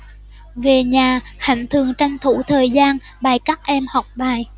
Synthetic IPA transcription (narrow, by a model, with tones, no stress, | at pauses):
ve˨˩ɲaː˨˩ha̰˧˩jŋ̟t̪ʰɨ˨˩əŋt͡ɕa˧jŋ̟t̪ʰu˧˥˦t̪ʰəː˨˩jzaː˧n | ɓaː˨˩jkaː˦˥k̚ʔɛ˧mhɔ˨˩wk͡p̚ɓaː˨˩j